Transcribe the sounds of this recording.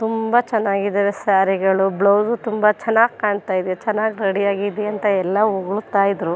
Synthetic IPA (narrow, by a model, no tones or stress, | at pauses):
t̪umbɐt͡ʃɛnːaːɡid̪ɐːɾesaːɾiɡɐɭubɭɐwzut̪umbɐt͡ʃɛnːaːɡkaːɳt̪aːjid̪jet͡ʃɛnːaːɡiɾɐɽijaːɡid̪ɛɐnt̪ɐɛlːɐuɡɐɭut̪aːjid̪ɾu